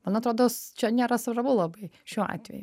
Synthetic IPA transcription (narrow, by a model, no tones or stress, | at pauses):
mɐnɐt̪ɾoːd̪oːst͡ʃʲɛnʲeːɾɐsɾɐbuːlˠɐbɐɪʃʲuːɑ̰ːt̪ʲʋʲɛ̰ju